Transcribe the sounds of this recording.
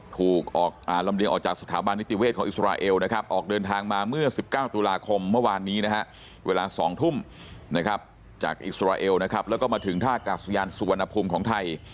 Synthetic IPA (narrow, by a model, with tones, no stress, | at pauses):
t̪ʰuː˨˩k̚ʔɔː˨˩k̚ʔaː˨˩la˧mli˧əŋʔɔː˨˩k̚t͡ɕaː˨˩k̚sḁ˧t̪ʰːaː˩˦ba˧nːi˦˥t̪i˧weː˥˩t̪̚kʰɔː˩˦ʔi˨˩sɾaː˧ʔeː˧wna˦˥kʰa˦˥p̚ʔɔː˨˩k̚dɤː˧nt̪ʰaː˧ŋmaː˧mɯ˥˩ɐsi˨˩p̚kaː˥˩wt̪u˧laː˧kʰo˧mːɯ˥˩ɐwaː˧nːiː˦˥na˦˥kʰa˦˥ʔ | weː˧laː˧sɔː˩˦ŋt̪ʰu˥˩m | na˦˥kʰa˦˥p̚ | t͡ɕa̰ː˨˩k̚ʔḭ˨˩sɾaː˧ʔeː˧wna˦˥kʰa˦˥p̚lɛ˦˥kɔː˥˩maː˧t̪ʰɯ˩˦ŋt̪ʰaː˥˩kaː˨˩sa˧jaː˧nsu˨wa˧nʔa˧pʰuː˧mkʰɔː˩˦ŋt̪ʰa˧j